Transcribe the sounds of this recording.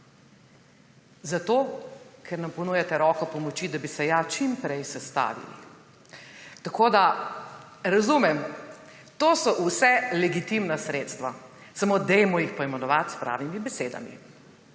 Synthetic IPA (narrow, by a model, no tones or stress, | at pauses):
zat̪okʰɛɾnampɔnujat̪ɛɾɔːkɔpɔmɔt͡ʃid̪abisɛjat͡ʃimpɾɛjsɛst̪a̰ːʋḭlḭ | t̪akoːd̪a | ɾɐzumɛm | t̪oːsɔʔusɛlɛɡit̪imnasɾeːt̪st̪ʋa | samod̪ɛjmɔjixpɔjɛmɛnɔʋat̪spɾa̰ːwnimibɛseːd̪a̰mḭ